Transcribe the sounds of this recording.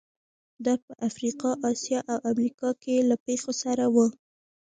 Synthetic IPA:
d̪ɑpəʔafɾiqɑʔɑsjɑʔawʔamɾikɑkelapexosaɾawə

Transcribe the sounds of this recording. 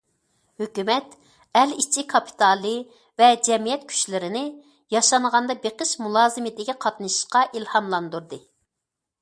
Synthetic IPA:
høkʲymɛt̪ | ɛlit͡ʃʰikʰɑpʰi̥t̪ʰɑlˠɨ | vɛd͡ʒɛmijɛt̪̚kʲʰy̥ʃlɪɾɪnɪ | jɑʃɑnʁɑnd̪ɑbeqəʃmulˠɑːzɨmɪd̪ɪkʲiqʰɑt̪nɨʃʃqɑʔilhɑmlˠɑnd̪uɾd̪ɨ

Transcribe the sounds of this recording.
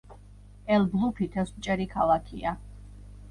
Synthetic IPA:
ɛlblˠupʰit̪ʰɛst͡ʃʼɛɾikʰalˠakʰia

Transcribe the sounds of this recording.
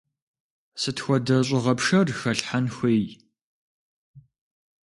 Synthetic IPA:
sɨtxʷɔdɐɕʼɪʁɐpʂɐrxɐɬħanxʷeːj

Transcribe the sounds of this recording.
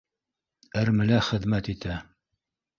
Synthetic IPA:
æɾmɘ̆læχɘ̆ðmæt̪it̪æ

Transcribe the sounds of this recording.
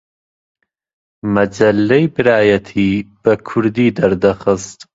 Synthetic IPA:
mɐd͡ʒɐlːejbɨɾaːjɐt̪ʰiːb̥ɐkʰʊɾd̪iːd̪ɐɾd̪ɐxɨst̪

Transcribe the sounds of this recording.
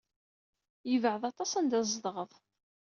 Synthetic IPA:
jəvʕəðˤɑt̪ˤɑsənd̪æzˤd̪ˤʁəðˤ

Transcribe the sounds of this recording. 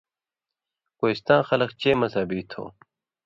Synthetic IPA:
koːist̪ãːxɐlɐkt͡ɕeːmɐsaːbiːt̪ʰo̰ː

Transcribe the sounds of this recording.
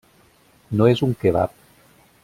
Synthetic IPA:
noezuŋkeβa̰p̚

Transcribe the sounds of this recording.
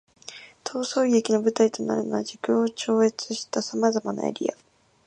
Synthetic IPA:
t̪ʰo̞ːso̞ːiɡe̞kʲino̞bɯ̟t̪ait̪o̞na̰ɾɯ̟noβad͡ʑikɯ̃ot͡ɕo̞ːe̞t͡sɨɕi̥t̪asamazamana̰ḛɾʲia̰

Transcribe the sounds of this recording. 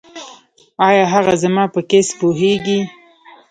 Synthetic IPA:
ɑjɑɦaɣazamɑpəkespoɦeɡi

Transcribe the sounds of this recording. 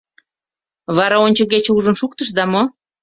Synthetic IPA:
βɑɾɑonʲt͡ɕəɣet͡ɕeuʒənʃuk̚t̪əʃ̬d̪ɑmo

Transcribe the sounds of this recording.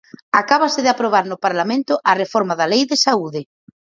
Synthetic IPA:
akaβasɪðɪapɾoβ̞aɾnʊpaɾlamẽnt̪ʊʔarefɔɾmaðalejðesauðɪ

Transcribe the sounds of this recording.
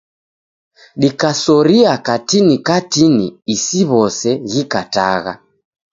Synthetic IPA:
ɗikasɔɾiakatinikatinḭːsiβɔsɛɣikata̰ɣa̰

